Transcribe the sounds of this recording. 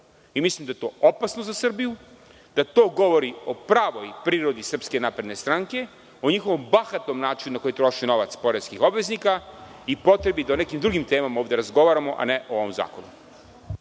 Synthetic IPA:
imislˠimd̪ajet̪o̞ːopasnozasr̩biju | d̪̥at̪o̞ːɡo̞ʋo̞ɾio̞pɾaːʋo̞jpɾiːɾo̞d̪isr̩pske̞naːpɾe̞d̪ne̞st̪ɾaŋke̞ | o̞ɲixo̞ʋo̞mbaxat̪no̞mnaːt͡ʃinunako̞jit̪ɾo̞ʃino̞ʋat̪spo̞ɾeskixo̞bʋeznikaipo̞t̪ɾe̞bid̪aonekimd̪ɾuɡimt̪e̞ːmamaoːʋd̪e̞ɾazɡo̞ʋaːɾamo̞ʔa̰neʔooʋomza̰ːko̞nu

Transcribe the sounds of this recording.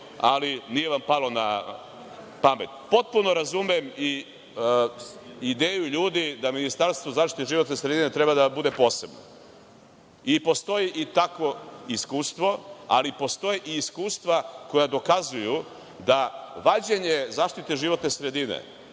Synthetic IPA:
alinije̞ʋampalo̞na | pame̞t̪̚po̞t̪̚puno̞ɾazumiemi | id̪eːjuʎuːd̪id̪aminist̪aɾst̪ʋo̞zaːʃt̪i̥t̪eʒiʋo̞t̪nesɾe̞d̪ine̞t̪ɾe̞bad̪abud̪e̞po̞ːse̞bno̰ | ipo̞st̪o̞jiʔit̪akʋo̞iskuːst̪ʋo̞a̰lipo̞st̪o̞jeʔiːskuːst̪ʋako̞jad̪o̞kazuju | d̪aʋad͡ʑeɲezaːʃt̪it̪eʒiʋo̞t̪nesɾe̞d̪inḛ

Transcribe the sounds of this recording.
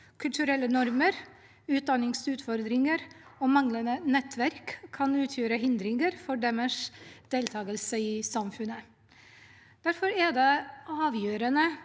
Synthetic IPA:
kʰʉlt̪ʉɾɛlːənɔɾməɾ | ʉːt̪̚d̪ɑnɪŋsʉːt̪fɔɾd̪ɾɪŋəɾoːmɑŋlənənɛt̪ʰʋæɾkʰːɑnʉːt̪ʰjøːɾəɦɪnd̪ɾɪŋəɾfɔɖɛməʂd̪̥eːlt̪ʰɑːɡəlsəisɑmfʉnə | d̪̥æɾfɔɾɛd̪eʔɑːʋjøːɾənə

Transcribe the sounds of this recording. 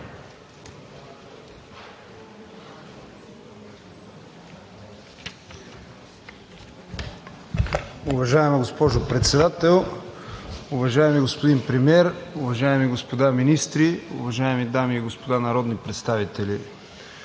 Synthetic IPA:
ʊvɐʒaɛmɛɡospɔʒʊpɾɛt̪sɛd̪at̪ɛlˠ | ʊvɐʒaɛmiɡospod̪inpɾɛmiɛɾʊvɐʒaɛmiɡospod̪aminist̪ɾiʊ̰vɐʒaɛmid̪amiːɡospod̪anɐɾɔd̪nipɾɛt̪st̪avit̪ɛli

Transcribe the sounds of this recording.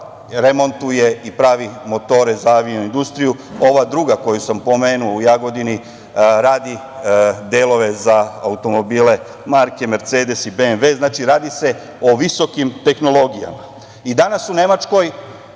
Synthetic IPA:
ɾe̞mo̞nt̪uje̞ipɾaːʋimo̞t̪o̞ːɾe̞zaaʋinuind̪ust̪ɾijuo̞ʋad̪ɾuɡako̞jusampo̞meːnuoujaɡo̞d̪ini | ɾaːd̪i | d̪eːlˠo̞ʋe̞zaa̰ut̪o̞mo̞biːle̞ | maɾke̞me̞ɾt̪seːd̪e̞sibenʋe̞ːznaːt͡ʃiɾaːd̪ise̞ | oʋiso̞kimt̪e̞xno̞lˠo̞ɡija̰ma | id̪anasune̞mat͡ʃko̞j

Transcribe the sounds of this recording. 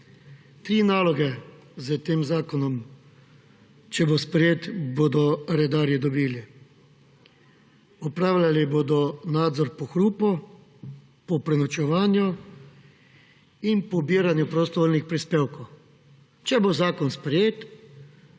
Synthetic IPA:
t̪ɾiːnaːlɔɡɛzət̪eːmzaːkɔnɔm | t͡ʃɛbospɾɛjeːt̪boːd̪ɔɾɛd̪aːɾjid̪ɔbiːli | ɔpɾaːwlʲalibod̪ɔnaːd̪zɔɾpɔxɾuːpɔ | pɔpɾɛnɔt͡ʃɛʋaːnju | inpɔbiːɾanjupɾɔst̪ɔʋoːlnixpɾispeːwkɔw | t͡ʃɛbozaːkɔnspɾɛjeːt̪

